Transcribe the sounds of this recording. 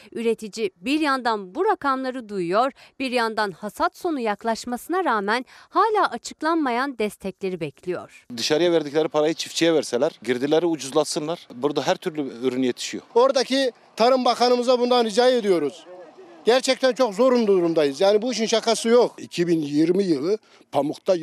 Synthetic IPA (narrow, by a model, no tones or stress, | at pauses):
yɾe̞t̪ʰid͡ʒibiɾjand̪anbuɾakʰamlˠaɾɯd̪ujujo̞ɾb̥iɾjand̪anhasat̪so̞nujaklˠaʃmasɯnaɾaːmænhaːlʲaːʔat͡ʃʰɯklˠanmajand̪ɛst̪ʰɛclʲe̞ɾibɛcʰlʲijo̞̰ɾ̥d̪ɯʃaɾɯjavɛɾd̪iclʲæɾipʰaɾajɯt͡ʃʰi̥ft͡ʃʰijɛvæɾsɛlʲæɾɟiɾd̪ilʲæɾiud͡ʒuzlˠat̪sɯnlˠaɾbuɾd̪aɦæɾt̪ʰyɾlʲyøɾynjet̪ʰi̥ʃijo̰o̞ɾd̪acʰi | t̪ʰaɾɯmbakanɯmɯzabund̪anid͡ʒaːjed̪ijo̞ɾuz̥ɟæɾt͡ʃʰɛc̚t̪ʰænt͡ʃʰo̞kzo̞ɾund̪uuɾumd̪ajɯzjaːnibuiʃ̬inʃakasɯjokicʰibinjiɾmijɯlˠɯ | pʰamukt̪a